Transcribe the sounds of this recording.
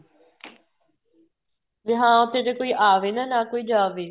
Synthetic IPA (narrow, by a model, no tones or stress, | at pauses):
ʋɪɦãːõt̪ʰeʈekoːiʔaːʋenɐnaːkoːiːd͡ʒaːʋeː